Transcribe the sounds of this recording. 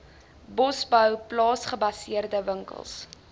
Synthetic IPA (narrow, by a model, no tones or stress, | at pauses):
bɔsbəwplɑːsχəbɐsiərdəvəŋkə̰lˠs